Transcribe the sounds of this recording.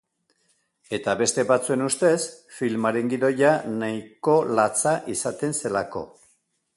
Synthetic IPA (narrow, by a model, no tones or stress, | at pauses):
e̞t̪aβe̞st̪e̞βat͡sue̞nust̪e̞sfilmaɾe̞ŋɡiðo̞janajko̞lat͡saʔisat̪e̞nse̞lako̞̰